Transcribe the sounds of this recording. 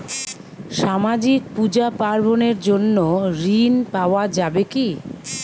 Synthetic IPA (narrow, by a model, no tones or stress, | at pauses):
ʃamad͡ʑik̚pud͡ʑapaɾboneɾd͡ʑonːoɾinpaoad͡ʑabeki